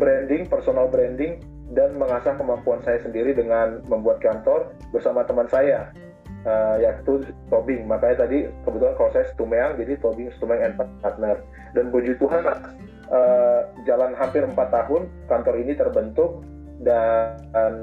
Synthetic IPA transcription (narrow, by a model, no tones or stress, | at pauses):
bɾɛndɪŋpərsonalbɾɛndɪŋ | danməŋasahkəmampuansajasəndiɾidəŋanməmbuat̪̚kant̪ɔr | bərsamat̪əmansaja | əjait̪ut̪obɪŋmakaɲat̪adikəbət̪ulankalasajasə̥t̪umeaŋd͡ʒadit̪obɪŋsə̥t̪umeŋɛnpat̪̚at̪̚nər | danbud͡ʒut̪uɦan | ʔəd͡ʒalanɦampɪɾəmpat̪ːaɦʊn | kant̪ɔɾinit̪ərbənt̪ʊk̚ | da | n